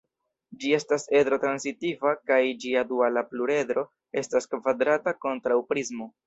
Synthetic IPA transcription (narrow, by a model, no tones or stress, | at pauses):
d͡ʒie̞stase̞dɾo̞tɾansitivakajd͡ʒiadualapluɾe̞dɾo̞ | e̞staskvadɾatako̞ntɾawpɾizmo̞